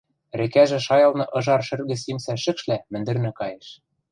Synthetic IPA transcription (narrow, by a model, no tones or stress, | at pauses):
rĕkæʒĕʃɑjɤ̆lˠnɤ̆ʔɤ̆ʒɑrʃɘ̆rɣɘ̆simsæʃɘ̆kʃlæmɘ̆nd̪ɘ̆rnɘ̆kɑjĕʃ